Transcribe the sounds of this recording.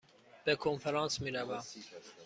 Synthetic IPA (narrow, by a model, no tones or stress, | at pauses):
b̥ɛkʰonfɛɾɑnsmiɾavæ